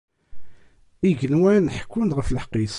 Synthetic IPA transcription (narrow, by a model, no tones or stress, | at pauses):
iʝənwænħə̥kːʊnd̪ʁəfləħqːis